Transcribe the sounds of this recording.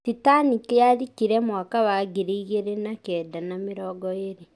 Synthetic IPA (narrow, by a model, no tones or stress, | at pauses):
titanikeaɾikiɾɛmwakaβaːɣiɾeiɣeɾenakɛːdanameɾɔːɡɔeɾe